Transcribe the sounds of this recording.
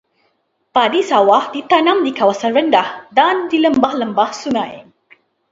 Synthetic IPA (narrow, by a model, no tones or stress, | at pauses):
padisawahdit̪anãmdikawasanrəndahdandiləmbahləmbahsuŋãj